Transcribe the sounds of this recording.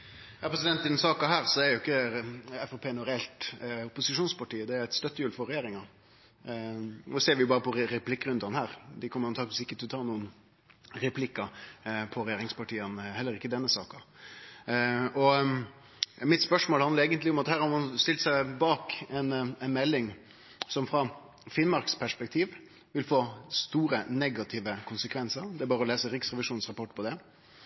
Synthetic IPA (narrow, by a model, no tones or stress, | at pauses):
jɑːpʰɾɛs̬ɪd̪ɛnt̪ːɪd̪ɛnsɑːkɑɦæːɾsɔɛɾjʊɪkːəɛfɔpʰeːnɔɾɛɛlt̪ʊpʊsɪʂuːnspɑʈiːəd̪ɛæɾɛɪt̪st̪œt̪ːəjʉːlfɔɾɛjeːɾɪŋɑ | noseːɾʋɪjʊbɑːɾəpʰɔɾɛpʰlɪkːɾʉnd̪ɑnhæːɾd̪ɪkʰɔmːəɾɑnt̪ʰɑːkʋɪsɪkːət̪ʰɪlɔt̪ʰɑːnuːən | ɾɛpʰlɪkːɑpʰɔɾɛjeːɾɪŋspɑʈiːənhɛlːəɾɪkːəd̪ɛnːəsɑ̰ːkɑ | ɔ | mɪt̪spœʂmoːlhɑnd̪əeːɡənt̪lɪɔmɑt̪hæːɾhɑɾmɑnst̪ɪlt̪sæɪbɑːkɛnɛnmɛlːɪŋ | sɔmfɾɑ | fɪnmɑɾkspʰæʂpɛkt̪ʰiːʋ | ʋɪlfoːst̪uːɾənɛɡɑt̪ʰiːʋəkʰʊnsəkʰʋɛnsəɾd̪ɛæɾbɑːɾəɔleːsəɾɪksɾɛʋɪʂuːn̩sʁɑpɔʈːpʰɔd̪ɛ